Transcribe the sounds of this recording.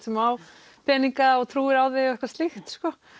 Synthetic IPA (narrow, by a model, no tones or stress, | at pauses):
sɛmaw | pʰɛːniŋkaɔt̪ʰɾuːɪɾawðɪɛhkvast̪lɪxt̪skɔ